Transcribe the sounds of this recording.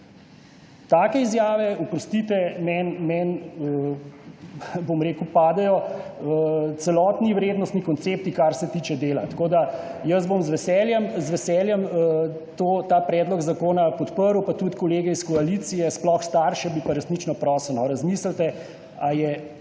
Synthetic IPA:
t̪aːkɛizjaːʋɛupɾɔst̪it̪ɛmɛnmɛnə | bomɾeːkupaːd̪ɛjɔ | t̪sɛlɔːt̪niʋɾeːd̪nɔst̪nikɔnt̪sep̚t̪ikaɾsɛt̪iːt͡ʃɛd̪eːla̰t̪koːd̪ajəzbomzʋɛsɛljɛmzʋɛsɛljɛm | t̪oːt̪aːpɾɛːd̪lɔɡzakoːnapɔt̪pəɾuwpat̪ut̪kɔleːɡɛiskɔalit̪sijɛsplɔxst̪aːɾʃɛbipaɾɛsnit͡ʃnɔpɾɔːsəlnɔɾazmiːsəlt̪ɛ | ajɛ

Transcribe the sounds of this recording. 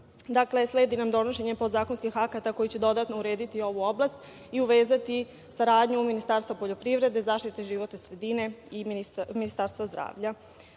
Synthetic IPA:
d̪akle̞sle̞ːd̪inamd̪o̞noʃe̞ɲe̞po̞d̪zaːko̞nskixakat̪ako̞jit͡ɕe̞d̪o̞d̪at̪nouɾeːd̪it̪io̞ʋuo̞blˠast̪ | iuʋeːzat̪i | saɾaːd̪ɲuminist̪aɾst̪vapo̞ʎo̞pɾiʋɾe̞d̪ezaːʃt̪it̪eʒiʋo̞t̪asɾe̞d̪ine̞iniminist̪aɾst̪vazd̪ɾa̰ːʋʎa

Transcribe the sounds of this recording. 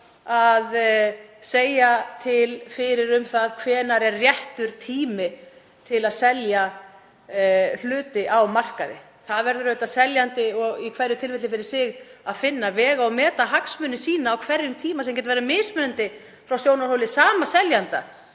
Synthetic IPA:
að | seːjat̪ʰɪlfɪɾɪɾʏmθaðkʰvɛːnaɾɛrːjɛht̪ʏɾ̥t̪ʰiːmɪ | t̪ʰɪlaðsɛlja | l̥ʏːt̪ɪʔawmar̥kaðɪ̰ | θaðvɛɾðʏɾœːɥt̪asɛljant̪ɪɔɣikʰvɛɾʏt̪ʰɪlvɪt̪ɪfɪɾɪsɪɣaðfɪnːavɛːɣaɔwmɛːt̪aɦaksmʏnːɪsiːnaːwkʰvɛrjʏmt̪ʰiːmasɛmcɛt̪avɛːɾamɪːsmʏnant̪ɪ | fɾawsjoːwnaɾhowlɪsaːmasɛljant̪a̰

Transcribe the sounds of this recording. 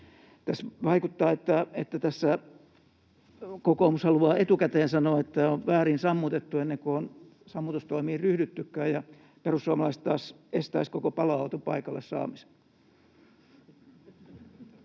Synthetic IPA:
t̪æsʋɑikut̪ːɑːet̪ːæet̪ːæt̪æsːæ | kokoumushɑluɑːet̪ukæt̪eːnsɑnoet̪ːæoʋʋæːrinsɑmːut̪et̪ːuenːeŋkuon | sɑmːut̪ust̪oimiːryhdyt̪ːykːæːjjɑ | perusːuɑmɑlɑist̪t̪ɑːs | est̪æiskokopɑlɑɑut̪opɑ̰ikɑlːessɑ̰ːmise̥

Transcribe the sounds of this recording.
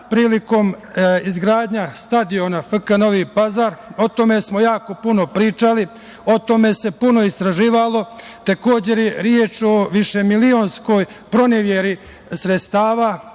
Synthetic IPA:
pɾiːliko̞mizɡɾaːd̪ɲast̪ad̪io̞nafkano̞ʋiːpazaɾo̞t̪o̞me̞smo̞jaːko̞puno̞pɾiːt͡ʃali | o̞t̪o̞me̞se̞puno̞ist̪ɾaʒiːʋalo̞t̪eko̞ːd͡ʑe̞ɾjeɾjet͡ʃo̞ʋiʃe̞milio̞nsko̞ːj | pɾo̞neʋjeɾi | sɾet̪st̪aːʋa

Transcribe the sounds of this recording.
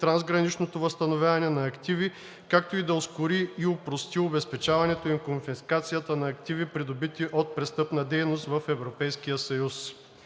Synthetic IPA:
t̪ɾanzɡɾɐnit͡ʃnot̪ovɐst̪ɐnovʲjavɐnɛnɐːkt̪ivi | kak̚t̪oid̪ɐoskʊɾiːopɾost̪iobɛspɛt͡ʃavɐnɛt̪oimkonfiskat̪sijət̪ənɐːkt̪ivipɾid̪obit̪iʔot̪̚pɾɛst̪ɤpnɐd̪ɛjnost̪vɐfɛvɾopɛjsk̟ijəsɐjus

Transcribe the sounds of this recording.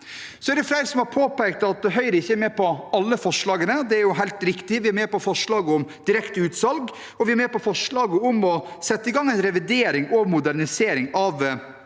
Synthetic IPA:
sɔæɾɖ̪ɛflæɪɾəsɔmhɑɾpʰoːpæɪk̚t̪ɑt̪̚d̪ɛɦœʏɾəɪçːəæɾmɛːpɔɑlːəfɔʂɭɑːɡənəd̪ɛæɾjʊɦæɪlt̪ɾɪkt̪ɪʋɪæɾmeːpɔfɔʂɭɑːɡəɔmd̪̥ɪɾɛkt̪əʉːt̪sɑlɡ | ɔʋɪæɾmeːpɔfɔʂɭɑːɡəʊmɔsɛt̪ːəɪɡɑŋːɛɪnɾɛʋɪd̪eːɾɪŋɔmʊd̪æɾnɪseːɾɪŋɑʋ

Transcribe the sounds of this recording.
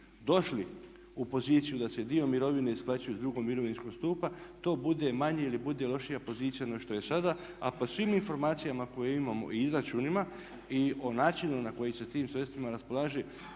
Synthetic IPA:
d̪o̞ʃli | upo̞ziːt̪sijud̪ase̞d̪io̞miɾo̞ʋine̞isplˠat͡ʃujud̪ɾuɡomiɾo̞ʋinsko̞ɡst̪uːpat̪o̞ːbud̪emaɲeilibud̪e̞lo̞ʃijapo̞ziːt̪sijanoʃt̪o̞je̞sad̪a | apo̞sʋiminfo̞ɾmaːt̪sijamako̞jeimamo̞̰ʔiizɾat͡ʃuːnima | io̞naːt͡ʃinunako̞jiset̪iːmsɾe̞st̪ʋimaɾaspo̞lˠaːʒe

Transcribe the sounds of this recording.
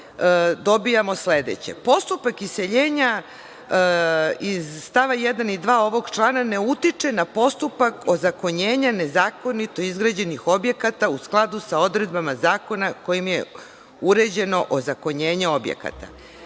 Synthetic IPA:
d̪o̞bijamo̞sle̞d̪e̞̰t͡ɕe̞̰po̞st̪upakise̞ʎeːɲa | izst̪aʋajed̪anid̪ʋaːo̞ʋo̞ɡt͡ʃlˠaːnane̞ut̪it͡ʂe̞napo̞st̪upako̞zako̞ɲeːɲane̞zaːko̞nit̪o̞izɡɾad͡ʑe̞nixo̞bje̞kat̪ausklˠad̪usao̞d̪ɾe̞d̪bamazaːko̞nako̞jimjḛ | uɾe̞d͡ʑe̞no̞ʔozako̞ɲe̞ːɲeo̞bjḛka̰t̪a̰

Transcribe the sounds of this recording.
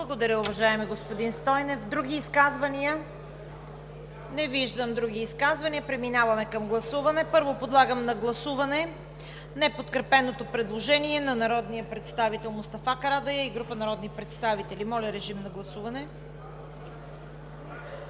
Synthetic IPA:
blˠɐɡod̪ɐɾʲəʊvɐʒaɛmɛɡospod̪inst̪ɔjnɛfd̪ɾuɡʲiːskazvɐniə | nɛviʒd̪əmd̪ɾuɡʲiːskazvɐniəpɾɛminavɐmɛkɐmɡlˠɐsuvɐnɛpɤɾvopod̪lˠaɡəmnɐɡlˠɐsuvɐnɛ | nɛpot̪kɾɛpɛnot̪opɾɛd̪lˠoʒɛniɛnɐnɐɾɔd̪nijəpɾɛt̪st̪avit̪ɛlˠmʊst̪ɐfakɐɾad̪ɐjəiɡɾupənɐɾɔd̪nipɾɛt̪st̪avit̪ɛlimɔlʲɐɾɛʒimnɐɡlˠɐsuvɐnɛ

